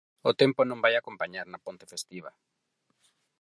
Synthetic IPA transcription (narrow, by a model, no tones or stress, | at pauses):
ʊt̪ẽmponõŋbajakompaɲaɾnapõnt̪e̥fest̪iβa̰